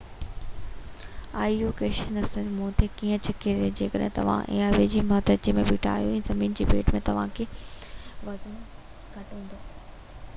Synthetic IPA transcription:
aːijukeːʃənɐsə̃d͡ʑmũːt̪ʰekiːə̃t͡ɕʰɐkʰened͡ʑeːkəɗɦɪ̃t̪ɐ̰ʋ̤ã̰ʔɛ̰̃ːaʋed͡ʑiːmɐːt̪ət͡ɕimẽbiːʈʰa̰ːijuɛ̃ːzɐmiːnd͡ʑiːbeːʈmẽt̪ɐʋ̤ãkʰeː | ʋɐzən | ɡʱɐʈũːnd̪oː

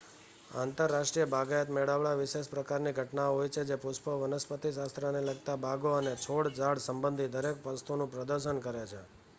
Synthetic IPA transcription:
ant̪əɾːaʃʈɾijəbʱaɡajət̪meɽaʋɭaʋɪʃeʃpɾəkaɾniɡʱəʈnaɦojt͡ʃʰed͡ʒepuʃpəʋənəspət̪iʃast̪ɾəneləɡt̪abʱaɡoənet͡ʃʰoɽd͡ʒaɽsəmbə̃nd̪ʱid̪əɾek̚pəst̪unũpɾəd̪əɾʃənkəɾet͡ʃʰe

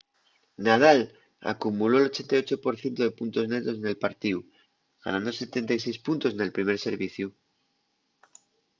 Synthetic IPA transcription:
nað̞al | a̰kumulo̞elo̞t͡ʃe̞nt̪ajo̞t͡ʃo̞po̞ɾθje̞nt̪oðepunt̪o̞zne̞ɣɾo̞sene̞lpaɾt̪iu | ɣ̥a̰nãnd̪o̞se̞t̪e̞nt̪ajsejspunt̪o̞sne̞lpɾime̞ɾse̞ɾβiθju

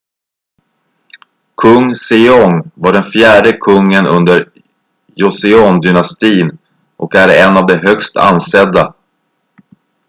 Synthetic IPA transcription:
kʰɵŋːsɪɔŋvaɖɛnfjæːɖəkʰɵŋːənɵnd̪əɾ | jʊsɪɔnd̪ʏnast̪iːn | ʔɔkæɾɛnːavd̪ɛɦœkst̪ʰa̰nːsɛd̪ːa

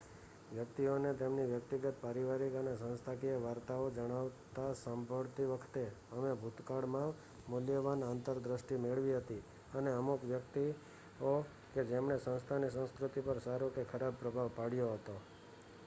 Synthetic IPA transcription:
ʋjək̚t̪ionet̪emniʋjəkt̪iɡət̪paɾiʋaɾikənesə̃nst̪ʰakieʋaɾt̪aod͡ʒəɽ̃aʋt̪asambʱəɭt̪iʋəkʰt̪eəmebʱut̪kaɽmã | mʊljəʋanant̪əɾd̪ɾəʃʈimeɭʋiɦət̪i | əneəmukʋjək̚t̪i | o | ked͡ʒemɳesə̃nst̪ʰanisə̃ñskɾʊt̪ipəɾsaɾokekʰəɾab̚pɾəbʱaʋpaɽjoɦət̪o

